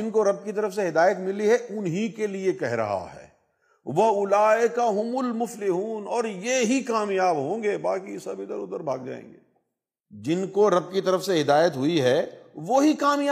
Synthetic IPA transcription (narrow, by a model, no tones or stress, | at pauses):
ɪnkoɾɐb̚kit̪ɐɾəfseɦɪd̪aːjət̪mɪliɦɛʔʊnɦikeliekɛɦɾɐ̰ɦa̰ɦɛ̰ː | ʋɐʊlaːɪkaɦʊmʊlmʊflɪɦuːnɔːɾjeɦikaːmjaːbɦõ̆ːɡeːbaːkisɐbʱid̪əɾʊ̰d̪əɾbʱaːɡ̚d͡ʒa̰ːḛ̃ːŋɡḛː | d͡ʒɪnkoɾɐb̚kit̪ɐɾəfseɦɪd̪aːjət̪ɦʊiɦɛːʋoːɦikaːmja